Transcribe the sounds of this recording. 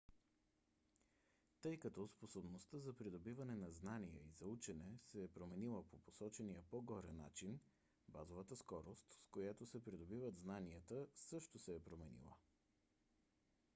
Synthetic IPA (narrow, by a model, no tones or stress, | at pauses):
t̪ɤjkɐt̪ɔsposobnost̪əzɐpɾid̪obivɐnɛnɐznanijɛ̰izɐut͡ʃɛnɛsɛːpɾomɛnilˠəpoposɔt͡ʃɛnijəpoɡɔɾɛ̰nːa̰t͡ʃin | bazovət̪əskɔɾost̪skojat̪osɛpɾid̪obivəd̪znaniət̪əsɤʃt̪osɛːpɾomɛnḭlˠə̰